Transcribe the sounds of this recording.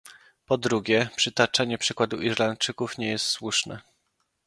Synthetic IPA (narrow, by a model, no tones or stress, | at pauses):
pɔd̪ɾuɡʲjɛpʂɘt̪at͡ʂaɲɛpʂɘkwad̪uʔiʂlant͡ʂɘkufɲɛjɛst̪swuʂnɛ̰